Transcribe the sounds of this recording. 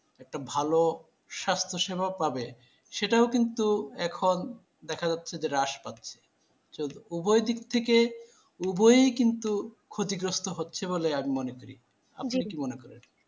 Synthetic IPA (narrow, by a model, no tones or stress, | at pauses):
ɛk̚ʈabʱalo | ʃast̪ʰoʃebʱapabe | ʃeʈaokint̪uɛkʰon | d̪ɛkʰad͡ʑatːɕʰed͡ʑeɾaʃpatːɕʰe̥ | t͡ɕod̪ubojd̪ik̚t̪ʰeke | ubojekint̪ukʰot̪iɡɾost̪ʰoɦotːɕʰeβoleamimonekoɾḭ | a̰pnakimonekɔɾḛn